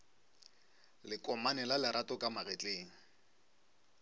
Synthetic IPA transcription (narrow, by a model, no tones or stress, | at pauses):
lɪkʼɔmanɛlalɪɾʔatʼɔkʼamaɣɛt͡ɬʼeːŋ̩